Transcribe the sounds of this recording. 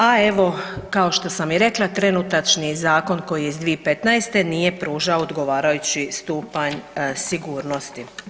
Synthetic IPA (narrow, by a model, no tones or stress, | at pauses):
ae̞ʋo̞kao̞ʃt̪o̞samiɾe̞klˠat̪ɾe̞nut̪at͡ʃnizaːko̞nko̞jiizd̪ʋiepe̞t̪naest̪e̞nije̞pɾuːʒaoːd̪ɡo̞ʋaːɾajut͡ɕist̪uːpaɲsiɡuːɾno̞st̪i